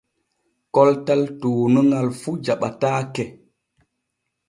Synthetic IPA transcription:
kɔltaltoːnuŋɡalfud͡ʒaɓataːkɛ

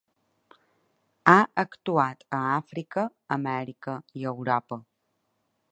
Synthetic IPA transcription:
aʔəkt̪uat̪əafɾikəːmɛɾikəiəwɾɔpə

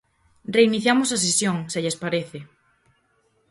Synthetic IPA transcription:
reiniθjamosɐs̬esjoŋseʎespaɾeθɪ

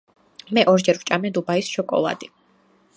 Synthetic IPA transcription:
mɛʔɔɾd͡ʒɛɾwt͡ʃʼamɛd̪ubaisʃɔkʼɔ̰lˠa̰d̪i

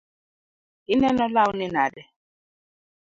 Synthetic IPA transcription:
inɛnɔlaunɛnadɛ

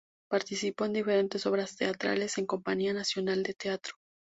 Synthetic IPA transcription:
paɾt̪isipo̞end̪ife̞ɾe̞nt̪eso̞βɾast̪e̞at̪ɾa̰le̞se̞ŋko̞mpaɲianasjo̞nald̪e̞t̪e̞at̪ɾo̥

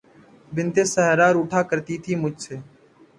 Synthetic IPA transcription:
bɪnt̪eːsəɦəɾaːɾuːʈʰaːkəɾt̪iːt̪ʰiːmʊd͡ʒʱseː

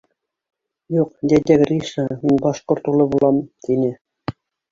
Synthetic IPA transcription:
juqd̪æd̪ʲækrʲiʂɑminʲbɑʃqort̪ulʲˠɤ̆bulˠɑmt̪ʲinʲɘ̆

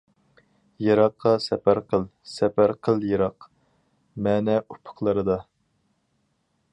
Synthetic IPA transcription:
jeɾɑqʰːɑsɛpæɾqʰəlˠsɛpæɾqʰəlˠjeɾɑq | mɛːnɛupʰə̥qlˠəɾɨd̪ɑ

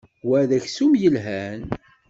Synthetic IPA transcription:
wæðæçsumjəlɦæn

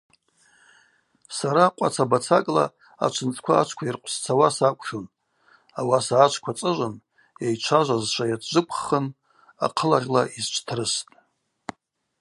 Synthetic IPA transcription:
saɾaqʷʼa̰t͡sʰabat͡sʰakʼla̰ | a̰t͡ʃʷʰɨnt͡sʼʰkʷʰaːt͡ʃʷʰkʷʰairqʷʰʼst͡sʰawasakʷʰʼʃon | awasaːt͡ʃʷʰkʷʰat͡sʼɨʒʷɨn | jajt͡ʃʷʰaʒʷazʃʷajatʰd͡ʒʷɨpʰʼχən | a̰qʰəlaʁʲlaʔizt͡ʃʷʰtʰrɨstʼ

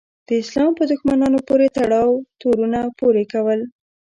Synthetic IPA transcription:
d̪̥əɪslɑmpəd̪ʊxmanɑnopoɾet̪aɽɑwt̪oɾunapoɾekawəl

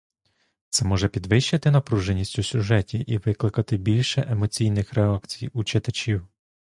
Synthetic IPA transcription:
t̪sɛmɔʒɛpʲid̪ʋɪʃːɐt̪ɪnɐpɾuʒenʲːisʲtʲʊsʲʊʒɛtʲiʔiʋɪklˠɪkɐt̪ɪbʲilʲʃɛʔemɔt͡sʲijnɪxɾɛɑkt͡sʲijut͡ʃɪt̪ɐt͡ʃʲiw

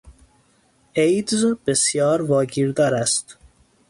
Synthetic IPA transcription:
ejd̪zb̥esjɒːɾvɒːɡiːɾd̪ɒːɾæst̪

